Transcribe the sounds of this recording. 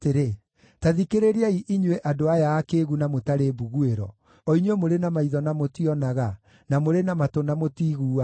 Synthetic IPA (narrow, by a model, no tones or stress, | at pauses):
teɾe | taðikeɾeɾiaiʔiɲweʔadoajaːkeɣunamotaɾebuɣueɾɔ̰ | ɔiɲemoɾenamaiðɔnamotiɔnaɣa | namoɾenamatonamotiːɣuːa